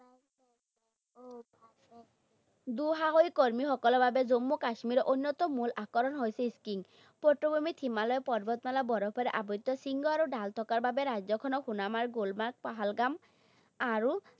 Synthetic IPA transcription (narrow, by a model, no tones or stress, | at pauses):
d̪uɦaɦojkoɹmixɔkɔlɔbʱabɛzomːukaʃmiɾɔʔonːɔt̪ɔmulʔakɔɾɔnɦojsɛiskiŋ | poʈːobomit̪ʰimalɔjɛpɔɾbɔt̪nalabɔɾɔpʰɔɾɛʔabɔt̪ːɔsiŋɡɔaɾuɖalt̪ʰɔkaɹbabɛɾajzɔkʰɔnɔxunamaɹɡolmaɾk̚paɦalɡam | aɹu